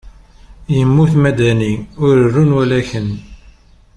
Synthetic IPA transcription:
jəmːuθmæd̪æniʊɾərːunwælæçən

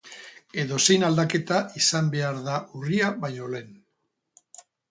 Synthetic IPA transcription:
e̞ðo̞se̞jnald̪ake̞t̪aʔisambe̞aɾðaʔuriaβajɲo̞le̞n

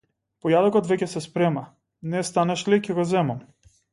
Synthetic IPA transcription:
pɔjad̪ɔkɔt̪vɛcɛsɛspɾɛma | nɛst̪anɛʃlicʲɛɡɔzɛmam

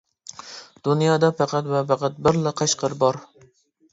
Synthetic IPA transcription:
d̪̥unjɑːd̪ɑpæqæt̪wɛpæqæt̪̚bɪɾlɪqʰɑʃqəɾbɑɾ

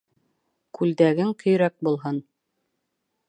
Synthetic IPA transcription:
kʰʉld̪æɡɘŋkʰɵ̆jɾæk̚bulˠɦɤn

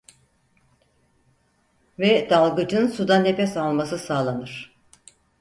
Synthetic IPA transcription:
vɛd̪alˠɡɯd͡ʒɯnsud̪anːepɛsalˠmasɯsaːlˠanɯɾ̝̥

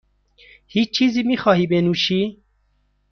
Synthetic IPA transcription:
hit͡ʃt͡ʃʰizimixɑːhibenuʃi

